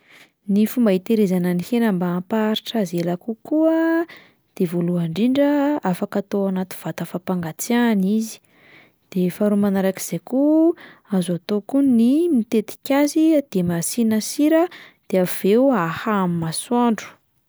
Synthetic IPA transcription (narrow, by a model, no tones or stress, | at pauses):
nifumbaɦit̪eɾezanənihenambaːpaɾiʈ͡ʂazelakukuə | d̪̥evoluaɳɖ͡ʐiɳɖ͡ʐəafakat̪oanat̪i̥v̥at̪afapaŋɡat͡sianizi̥ | d̪̥efaɾumanaɾaki̥z̥ekuazuat̪okunimit̪et̪i̥kʲazid̪̥emasinəsiɾəd̪̥eav̥euahaamimaswaɳɖ͡ʐu̥